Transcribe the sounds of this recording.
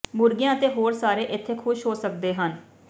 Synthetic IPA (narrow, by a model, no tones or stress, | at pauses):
mʊɾɡɪjãːət̪eːɦoːɾsaːɾeːʔɪt̪ʰːeːkʰʊʃɦoːsək̚d̪eːɦən